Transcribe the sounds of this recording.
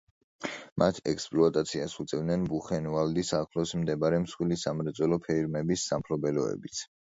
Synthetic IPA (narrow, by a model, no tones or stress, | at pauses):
mʔat̪ʰɛ̰kspʼlɔat̪ʼat̪sʰiasut̪sʼɛvd̪nɛnbuχɛnvald̪isakʰlɔsmd̪ɛbaɾɛmsχwilisamɾɛt̪sʼwɛlɔpʰɛiɾmɛbisːampʰlɔbɛlɔɛ̰bit̪sʰ